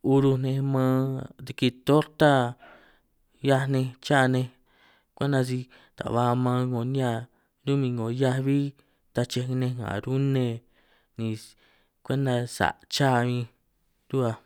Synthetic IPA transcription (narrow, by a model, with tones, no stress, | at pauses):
u˧ɾu˧nẽ˧mãː˧˦ði˧ki˧t̪o˦ɾt̪a˦ | ja˦˧nẽ˧t͡ʃa˦˧nẽ˧ | kʷe˦nã˧s̬i˧ | t̪a̰˨βa˧mãː˧ŋo˧˨nĩ˦a˧ | ɾu˦mĩ˧ŋɡõ˨ja˧βi˦ | t̪a˧t͡ʃe˧nẽ˧ŋã̰˨ɾu˦nẽ˧ | nĩ˧ | kʷe˦nd̪a˧sa̰˨ʔt͡ʃa˦˨˧mĩ˧ | ɾu˦a˧